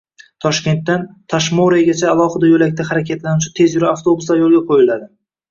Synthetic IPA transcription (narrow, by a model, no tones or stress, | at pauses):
t̪ʰɒʃkʲe̞nt̪ːant̪ʰaʃmoɾaɡʲat͡ʃʰaːlˠɒhɪd̪ajolakʲt̪ʰahaɾakʲʰat̪lanut͡ʃʰɪt̪ʰe̞zjʊɾaaft̪ʰobusajɒlˠɡʲaqʰojɪlad̪ɪ